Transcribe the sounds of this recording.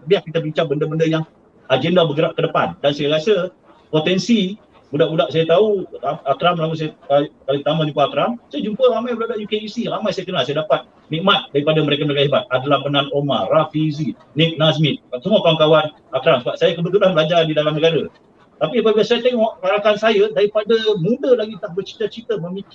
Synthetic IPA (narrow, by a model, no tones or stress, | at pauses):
biahkit̪abiɲt͡ʃabəndəbəndəjaŋ | ad͡ʒəndabəɡəɾaʔkədəpa̰ndansajaɾasə | pot̪ɛnsi | budaʔbudaʔsajat̪auaakɾamlaɡusajapakalɪŋ̚t̪amad͡ʒumpaːkɾamsajad͡ʒumpəɾamajbudaʔbudaʔjukeisiɾamajsajakənalsajadapat̪̚ | nĩʔmat̪̚daɾipadaməɾekaməɾek̬aɦebat̪̚adalahpənãnoma̰ɾafizi | nik̚nas̬mit̪̚kasəmuakawankawan | akɾamsəbap̚sajakəbət̪utabəlad͡ʒardidalamnəɡaɾa | t̪apiəpabilasajat̪ɛŋɔʔaɾakansajadaɾipadəmũndəlaɡit̪ahbərt͡ʃi̥t̪ət͡ʃit̪əməmik